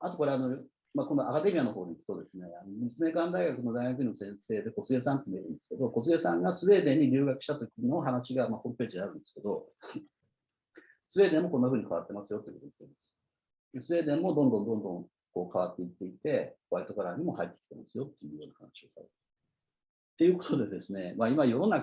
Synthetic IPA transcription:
at̪o̞ko̞ɾe̞ano̞ | makõ̞nd̪oʔakad̪e̞mʲiano̞ɦo̞ːɲʲiikɯ̟̥t̪od̪e̞sɨne̞ano̞mit͡sɨme̞kãnd̪aiɡakɯ̟no̞d̪aiɡak̬ɯ̟ɲinosẽ̞ɰ̃se̞ːd̪e̞ko̞t͡sɨɡe̞sãnt̪ːemieɾɯ̟̃nd̪esɨ̥ke̞d̪o̞ko̞t͡sɨɡesãŋɡasɨβe̞ːd̪ẽ̞ɲ̟ːiɾʲɨːɡakɯ̟ɕi̥t̪at̪o̞kʲino̞ɦanaɕiɡamaho̞ːmɯ̟peːʑid̪eaɾɯ̟nd̪e̞sɨ̥ke̞d̪o̞ | sɨβe̞ːd̪ẽ̞mːo̞ko̞nːaɸɯ̟ːɲ̟ikaβat̪ːe̞masɨjo̞t̪ei̟kot̪oi̥t̪ːeimaasɨ̥ | d̪esɨβe̞ːd̪ẽ̞mːo̞d̪õnd̪õnd̪õ̞nd̪õŋ | ko̞ːkaβat̪ːe̞it̪ːe̞it̪e̞koβait̪o̞kaɾaɲ̟imo̞hait̪ːe̥kʲi̥t̪e̞̰masɨjo̞t̪ːe̞jɯ̟ːjo̞ːnaha̰naɕio̞sa̰ɾ | t̪ːe̞jɯ̟ko̞̥t̪o̞d̪e̞d̪e̞sɨne̞maimajoɾo̞nːa

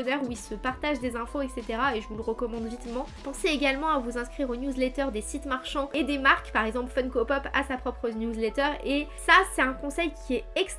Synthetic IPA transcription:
nɛʁuilsəpaʁt̪aʒd̪ezɛ̃foɛkset̪eʁaeʒəvuləʁəkɔmɑ̃d̪vit̪mɑ̃pɑ̃seeɡʲalmɑ̃avuzɛ̃skχiʁonjuzlet̪œʁd̪esit̪maʁʃɑ̃ed̪emaʁkpaʁɛɡzɑ̃plfɔnkopɔpa̰sapχɔpχənjuzlɛt̪œʁesasɛt̪ɛ̃kɔ̃sɛjkʲʰiɛɛks

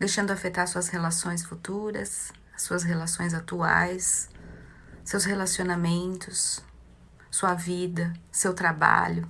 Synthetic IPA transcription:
d̪ejʃɐ̃nd̪ʊafet̪aɾsuɐshelasõj̃sfut̪uɾɐs | ɐsːuɐshelasõj̃zat̪ua̰js | ewshelasionamẽnt̪ʊs | suɐvid̪ɐsewt̪ɾaba̰ʎʊ

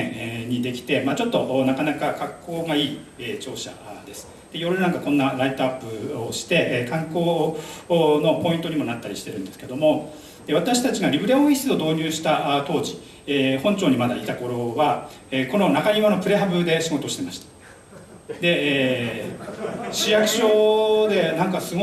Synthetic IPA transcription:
eɲ̟id̪e̞kʲi̥t̪e̞maːt͡ɕo̞t̪ːo̞ʔːnakanakakakʰːo̞ːɡaiːet͡ɕo̞ːɕa̰d̪e̞sɨ̥ | d̪̥eijo̞ɾɯ̟nãŋkakõ̞nːaɾait̪oapːɯ̟oɕi̥t̪e̞ʔkãŋko̞ː | no̞po̞ĩnt̪o̞ɲimo̞nat̪ːaɾʲiɕi̥t̪e̞ɾɯ̟̃nd̪e̞sɨ̥ke̞d̪o̞mo̞ | d̪e̞βat̪aɕi̥t̪at͡ɕiɡaɾʲibɯ̟ɾeõi̥sɨo̞d̪o̞ːɲ̟ɨːɕi̥t̪aʔt̪o̞ːʑi | ehõ̞ɲt͡ɕo̞ːɲ̟imad̪ait̪ako̞ɾo̞βa | eːko̞no̞nakaɲiβano̞pɯ̟ɾe̞ɦabɯ̟d̪e̞ɕiɡo̞t̪o̞ɕi̥t̪e̞maɕi̥t̪ḁ | d̪e̞eː | ɕijakɯ̟̥ɕo̞ːd̪e̞nãŋkasɨɡo

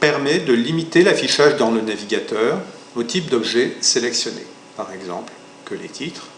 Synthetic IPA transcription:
pɛʁmɛd̪əlimit̪elafiʃaʒd̪ɑ̃lənaviɡʲat̪œːʁ | ot̪ip̚d̪ɔbʒɛselɛksjɔnḛ | paʁɛɡzɑ̰̃pl | kəlet̪ʰit̪χ

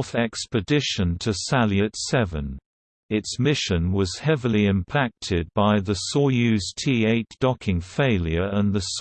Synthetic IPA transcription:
θɛkspɨdɪʃə̃ntʰəsæljɨtsɛvə̰̃n | ɪtsmɪʃə̃nwʌz̥hɛvəliɪ̃mpʰæk̚tʰɪd̚baɪðəsɔjʉz̥tʰieɪtd̥ɒkʰɪ̃ŋfeɪlˠjə˞ə̃nðəs

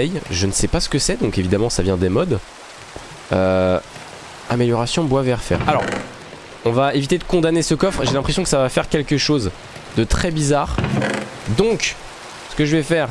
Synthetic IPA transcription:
ɛjʒənəsɛpasə̥kəsɛd̪ɔ̃kevid̪amɑ̃savjɛ̃d̪emɔd̪ | ø | ameljɔʁasjɔ̃bwavɛʁfɛ̰ʁalɔʁ | ɔ̃vaevit̪ed̪əkɔ̃d̪anesəkɔfχʒelɛ̃pχes̬jɔ̃kə̥savafɛʁkʲɛlkəʃoz | d̪ət̪χɛbizaːʁ | d̪ɔ̃k | sə̥kəʒəvɛfɛːʁ

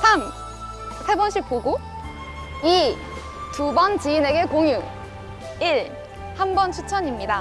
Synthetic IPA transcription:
sʰam | sʰebʌnɕʰik̚k͈oɡo | i | tubʌnt͡ɕiːne̞ɡe̞koŋju | iɾ | hambʌnt͡ɕʰut͡ɕʰʌɲimɲida

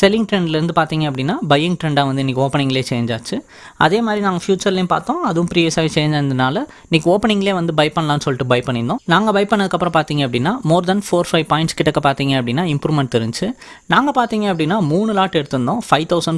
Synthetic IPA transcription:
sɛlːɪŋɡʈɾɛɳɖlɐɾɯnd̪ɯpaːɾt̪iːŋɡɐɐpːɐɽɪnːaːbɐjɪŋʈɾɛɳɖaːʋɐnd̪ɯɪnːiːkːoːpɐɳɪŋɡɐleːt͡ʃeːɲd͡ʒaːt͡ʃːɯ | ʔɐ̰ðeːmaːd̪ɾinãːŋɡɐfjuːt͡ʃɐɾlɐjẽpa̰ːɾt̪õːɐðɯʋʊ̃pɾiːʋjeːsaːɣit͡ʃeːɲd͡ʒaːɪnd̪ɐnaːlɐ | niːkːoːpɛɳɪ̃ŋɡɐleːʋɐnd̪ɯbɐɪpɐɳːlãːnːɯsɔlːɪʈːɯbɐɪpɐɳːɪnd̪õːnaːŋɡɐbɐɪpɐɳːɐðɯkːɐpːɾɐ̃paːɾt̪iːŋɡɐpːɐɽɪnːaːmoːɾd̪ɐnfoːɾfɐɪʋpaːɪɳʈskɪʈːɐkːɐpaːɾt̪iːŋɡɐɐpːɐɽɪnːaːɪmpɾuːmɛɳʈ̚t̪ɛɾɯɲd͡ʒt͡ʃɯ | naːŋɡɐpaːɾt̪iːŋɡɐɐpːɐɽɪnːaːmuːɳɯlaːʈːɛɽɯt̪ːɯnd̪õːfɐɪʋt̪ɐʊsɐɳ

